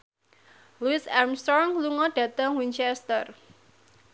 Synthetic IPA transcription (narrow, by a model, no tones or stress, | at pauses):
luɪsɛmst̪ɾɔŋluŋɔɖ̥ä̤t̪əŋwiɲt͡ʃɛst̪ər